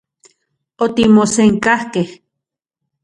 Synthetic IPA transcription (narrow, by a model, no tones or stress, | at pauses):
ot̪imoseŋkahkeh